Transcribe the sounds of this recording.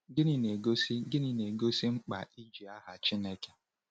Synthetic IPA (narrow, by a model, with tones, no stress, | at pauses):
ɡɪ˦nɪ˨ne˨ɡo˦si˦ɡɪ˦ni˨ne˨ɡo˦si˦ŋ͡m̩˦k͡pa̰˨i˦d͡ʒi˨a˦ɦa˨t͡ʃi˦ne˦ke̥˦